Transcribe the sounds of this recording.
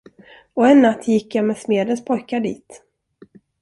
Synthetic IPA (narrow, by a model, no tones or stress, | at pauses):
ɔɛnːat̪ːjɪkːjamɛsmeːd̪ənspʰɔjkaɖḭːt̪